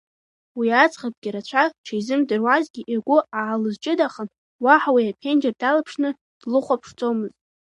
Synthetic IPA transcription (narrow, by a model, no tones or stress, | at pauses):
wiat͡sʼχad̚ɡʲiɾat͡ɕʷʰaʈ͡ʂʰajzɨmdɨrwazɡʲiʔirɡʷʊaːlɨzt͡ʃʼɪdaχəm | waħawiapʲʰend͡ʒardalapʰʂnɨ | d̥lɨχʷapʰʂt͡sʼomɨztʼ